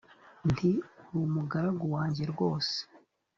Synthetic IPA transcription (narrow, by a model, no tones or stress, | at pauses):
ntiuɾumuɡaɾaɡuwaːɲɟe̞ɾɡo̞ːse̥